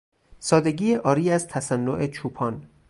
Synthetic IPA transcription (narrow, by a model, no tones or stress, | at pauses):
sɒːd̪e̞ɡiːeʔɒːɾiːæzt̪ʰæsænːo̰ʔe̞t͡ʃʰuːpʰɒːn